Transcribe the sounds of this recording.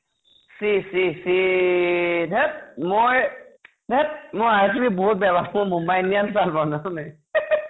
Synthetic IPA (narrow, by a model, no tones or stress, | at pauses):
sisisi | d̪ʱɛt̚moj | d̪ʱet̚moaɹs̬ibʱibɔɦut̪̚bjabʱamojmumbajnijansalpananaj